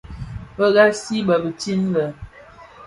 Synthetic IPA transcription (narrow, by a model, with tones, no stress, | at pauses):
bə˦ɣa˦si˦bə˨bə˨ti˦n˦lə˨